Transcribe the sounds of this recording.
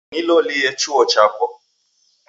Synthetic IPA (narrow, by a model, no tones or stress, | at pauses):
nilolɪjet͡ʃuɔt͡ʃakʷɔ